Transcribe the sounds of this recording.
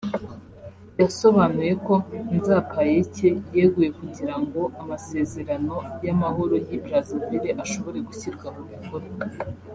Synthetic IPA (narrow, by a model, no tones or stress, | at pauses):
jaso̞βanuje̞ko̞nzapʰajecejeɡuje̞kuɟiɾaŋɡo̞amase̞ːze̞ɾano̞jamaho̞ɾojibɾazimbeɾeʔaʃo̞βo̞ɾe̞ɡuçiɾɡwamuβikoɾe